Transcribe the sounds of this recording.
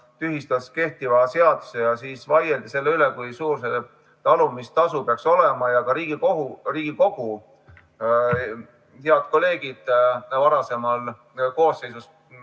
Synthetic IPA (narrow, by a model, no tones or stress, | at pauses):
t̪yɦist̪ɑske̞ht̪ivɑse̞ɑd̪̥use̞jɑsiːsvɑjeld̪̥ise̞lːeylekujsuːrs̬e | t̪ɑlumist̪ɑsupeɑkso̞le̞mɑjɑkɑɾiːɡ̥ikoɦuriːɡ̥iko̞ɡ̥u | heɑd̪̥̚ko̞lːe̞ːɡ̥id̪̥vɑɾɑse̞mɑl | ko̞ːsːe̞jsus